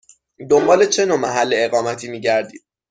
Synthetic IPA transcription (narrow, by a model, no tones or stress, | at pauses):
d̪o̞mbɒːle̞t͡ʃʰe̞noːmæɦælːe̞ːɣɒːmæt̪ʰiːmiːɟæɾd̪iːd̪̥̚